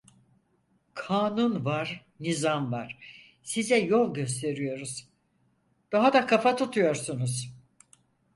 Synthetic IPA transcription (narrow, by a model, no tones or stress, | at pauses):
kʰaːnunvaɾ̥ | nizamvaɾ̥ | sizɛjo̞lˠɟø̞st̪ʰe̞ɾijo̞ɾuz̥ | d̪̥aɦad̪akʰafat̪ʰut̪ʰujo̞ɾsunuz